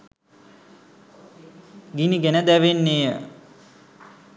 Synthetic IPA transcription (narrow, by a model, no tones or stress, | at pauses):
ɡiniɡenəd̪æʋenːejə